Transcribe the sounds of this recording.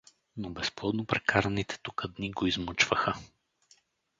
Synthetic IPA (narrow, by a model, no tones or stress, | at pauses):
nobɛsplˠɔd̪nopɾɛkaɾɐnit̪ʰɛ̥t̪ukəd̪niɡoizmət͡ʃvəxə